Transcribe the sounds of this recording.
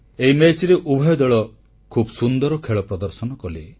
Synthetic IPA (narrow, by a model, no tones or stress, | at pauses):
eimet͡ʃɾeʔubʱɔjɔd̪ɔɭɔ | kʰubɔsund̪ɔɾɔkʰeɭɔpɾɔd̪ɔɾsɔnɔkɔle